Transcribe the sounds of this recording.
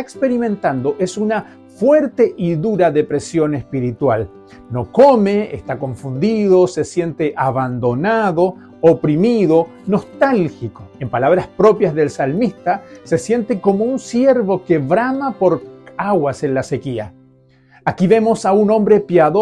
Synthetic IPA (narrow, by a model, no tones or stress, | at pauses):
aekspe̞ɾimẽ̞nt̪and̪o̞ʔe̞suna | fweɾt̪e̞ʔiðuɾaðe̞pɾe̞sjo̞ne̞spiɾit̪wal | no̞kome̞ḛst̪akõ̞ɱfund̪iðo̞se̞sje̞nt̪eʔaβand̪o̞naðo̞ | opɾimiðo̞ | no̞st̪alxikoe̞mpalaβɾaspɾo̞pjazðe̞lsalmist̪ase̞sje̞nt̪eko̞mounsje̞ɾβo̞keβɾamapo̞ɾaɣwase̞nlasekia̰ | akiβe̞mo̞saunõ̞mbɾe̞pjaðo